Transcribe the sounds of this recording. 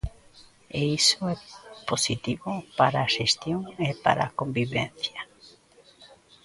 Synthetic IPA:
eisoɛposit̪iβopaɾaːʃest̪joŋepa̰ɾa̰kombiβḛn̟θja

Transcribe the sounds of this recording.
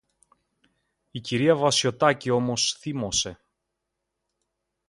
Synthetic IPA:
iciɾiɐvɐsjo̞t̪ɐcio̞mo̞sθimo̞se̞

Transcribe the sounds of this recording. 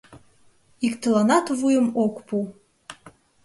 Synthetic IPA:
iktʰɨlanatʰvujɨmokʷpʰu

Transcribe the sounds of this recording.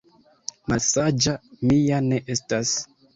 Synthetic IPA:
malsad͡ʒamiane̞ʔe̞stas

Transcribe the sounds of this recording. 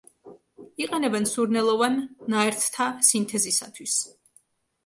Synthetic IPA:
iqʼɛnɛbɛnsuɾnɛlˠɔvanːaɛɾt̪ʰt̪ʰasint̪ʰɛzisa̰t̪ʰwis

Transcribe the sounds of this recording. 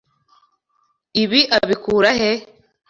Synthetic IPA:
iβiʔaβikuːɾahe

